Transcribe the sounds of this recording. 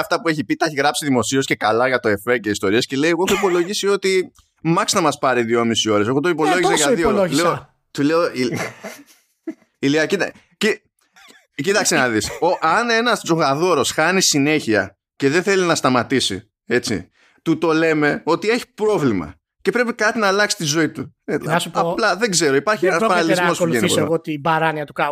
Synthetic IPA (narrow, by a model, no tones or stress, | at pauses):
ɐft̪ɐpue̞çipit̪ɐçiɣɾɐpsiðimo̞sio̞sce̞kɐlɐʝɐt̪o̞efeceist̪o̞ɾiɐsce̞le̞jeɣoexoipo̞lo̞ʝisio̞t̪i | mɐksnɐmɐspɐɾiðio̞misio̞ɾes̬eɣo̞t̪oipo̞lo̞ʝisseʝɐðioleo | t̪uleoi | iliɐcit̪ | ci | cit̪ɐksenɐðisoʔɐne̞nɐszo̞ɣaðo̞ɾo̞sxɐnisine̞çiɐ̰ | ce̞ðenθe̞linɐst̪ɐmɐt̪isḭ | e̞t͡sḭ | t̪ut̪o̞le̞me̞o̞t̪ie̞çi̥pɾo̞vlimɐ̰ | ce̞pɾe̞pikɐt̪inɐlɐksi̥t̪izo̞it̪uɐsupɐplɐðe̞ɡze̞ɾo̞ipɐɾçienɐspɐnɐlizmo̞spuʝenioɣot̪ibɐɾɐniɐt̪ukɐ